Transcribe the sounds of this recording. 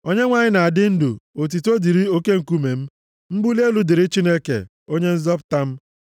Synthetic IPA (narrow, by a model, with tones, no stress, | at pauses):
o˦ɲe˦ŋʷa˦ɲɪ˦na˨a˨dɪ˦n̩˦dṵ˨o˨t̬i˨to˦di˨ɾi˦o˦ke˦ŋ̩˨ku˦me˨m̩˦ | m̩˦bu˦li˦e˦lu˨dɪ˨ɾɪ˦t͡ʃi˦ne˦kḛ˨ | o˦ɲe˦n̩˦zɔ˦pta˦m̩˦